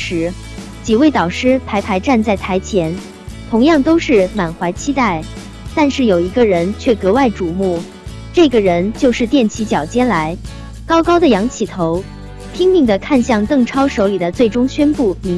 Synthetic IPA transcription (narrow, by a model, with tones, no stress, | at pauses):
ʂɻ̩˧˥ | t͡ɕi˨˩we˥˩ɪt̪ɑ˨˩ʊʂɻ̩˥pʰa˧˥ɪpʰa˧˥ɪʈ͡ʂa˥˧nt͡sa˥˩ɪt̪ʰa˧˥ɪt͡ɕʰjɛ˧˥n | t̪ʰʊ˧˥ŋjɑ˥˩ŋt̪o˥ʊʂɻ̩˥˩ma˨˩nxwa˧˥ɪt͡ɕʰi˥t̪a˥˩ɪ | t̪a˥˧nʂɻ̩˥˩jo˨˩ʊi˧˥ɡə˥˧ɻə˧˥nt͡ɕʰɥɛ˥˩kɤ˧˥wa˥˩ɪʈ͡ʂu˨˩mu˥˩ | ʈ͡ʂɤ˥˩ɡə˩ɻə˧˥nt͡ɕjo˥˧ʊʂɻ̩˥˧t̪jɛ˥˩nt͡ɕʰi˧˥t͡ɕjɑ˨˩ʊt͡ɕjɛ˥nla˧˥ɪ | kɑ˥ʊkɑ˥ʊd̪ə˨jɑ˧˥ŋt͡ɕʰi˥˩t̪ʰo˧˥ʊ | t̪ʰi˥ŋt̪i˥˩ŋd̪ə˩kʰa˥˧nɕjɑ˥˧ŋk̪ɤ˥˩ŋʈ͡ʂʰɑ˥ʊʂo˧˥ʊli˨˩d̪ə˦t͡swe˥˩ɪʈ͡ʂʊ˥ŋɕɥɛ˥npu˥˩mi˧˥